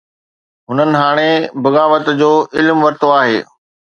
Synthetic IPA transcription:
ɦʊnənɪ̆ɦaːɽ̃ebɐɣaːʋət̪d͡ʑoːɪlmʋɐɾt̪oaːɦḛː

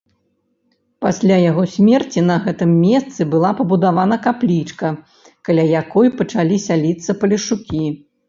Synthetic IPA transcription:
pasʲlʲajaɣɔsʲmʲɛrt͡sʲinɐɣɛt̪ɨmːʲɛst̪sɨbɨlˠapɐbud̪avanɐkaplʲit͡ʂkɐ | kalʲajakɔjpɐt͡ʂalʲisʲalʲit̪sɐpɐlʲiʂukʲi

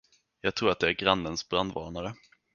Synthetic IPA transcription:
jɑːɡ̚t̪ʰɾuːɾat̪̚ɛæɾɡɾanːənsbɾand̪vɑ̰ːɳaɾə

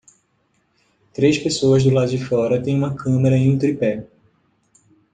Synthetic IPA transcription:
t̪ɾespesoɐzd̪ʊlad̪ʊd͡ʒɪfɔɾɐt̪ẽj̃ũmɐkʰɐ̃meɾɐẽj̃ũt̪ɾipɛ

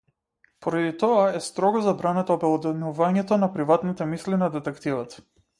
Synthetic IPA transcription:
pɔɾad̪it̪ɔaɛst̪ɾɔɡɔzabɾanɛt̪ɔːbɛlˠɔd̪ɛnuvaɲɛt̪ɔnapɾivat̪nit̪ɛmislinad̪ɛt̪ɛkt̪ivat̪

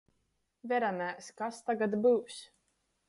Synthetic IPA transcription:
vɛɾanæːskast̪aɡad̪buːs

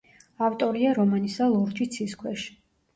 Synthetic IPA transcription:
aft̪ʼɔɾiaɾɔmanisalˠɔɾd͡ʒit̪sʰiskʰwɛʃi̥

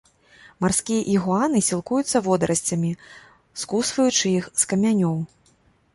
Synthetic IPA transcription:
marskʲijɛʔiɣuanɨsʲilˠkujut̪sːɐvɔd̪ɐɾʔɐsʲt͡sʲɐmʲi | skusvɐjut͡ʂɨjixskɐmʲanʲɔw

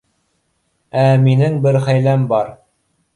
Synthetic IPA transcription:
æminɘŋbɘɾχæjlæmbɑɾ

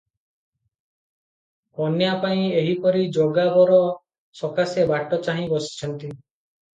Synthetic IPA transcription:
ɔnjapaĩeɦipɔɾid͡ʒoɡabɔɾɔ | sɔkasebaʈɔt͡ʃaɦĩbɔsi̥t͡ʃʰɔnt̪i

